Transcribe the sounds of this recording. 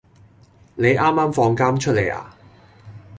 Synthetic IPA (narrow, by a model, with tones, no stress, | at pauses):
ne˨˧jʔaː˥mːaː˥mfɔː˧ŋkaː˥mt͡ʃʰɵ˥t̚le˨jʔa̰ː˨